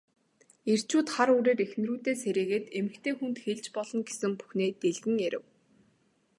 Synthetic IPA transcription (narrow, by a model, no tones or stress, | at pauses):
er̥t͡ɕuːt̪χaɾuːɾeːɾexn̆ruːt̪eːseɾiːɣeːt̪emɘ̆kt̪ʰeːxunt̪xeɮt͡ɕpɔɮɞ̆nɡe̥sɘ̆ŋpu̥xneːt̪eɮɣɘ̆ŋeɾɘ̰̆w